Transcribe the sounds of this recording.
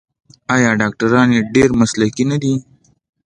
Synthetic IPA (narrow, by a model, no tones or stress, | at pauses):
ɑjɑɖɑk̚ʈaɾɑneɖeɾmaslakinad̪i